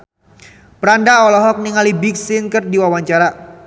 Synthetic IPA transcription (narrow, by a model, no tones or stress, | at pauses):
pəɾandaɔlɔɦɔk̚niŋalibɪksɪnkərdiwawaɲt͡ʃaɾa